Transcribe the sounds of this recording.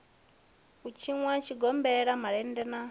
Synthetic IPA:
kut͡ʃʰiŋwat͡ʃʰiɡɔmbɛɺamaɺɛndɛna

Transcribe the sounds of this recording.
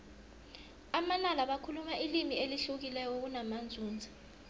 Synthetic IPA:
amanalaɓakʰulumaʔilimieliɬuk̬ilɛjɔk̬unamand͡zʱuːnd͡zʱḁ

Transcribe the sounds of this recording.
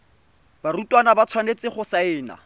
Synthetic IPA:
barutʼwanabat͡sʰwanet͡sʼɪχʊsaɪːna̰

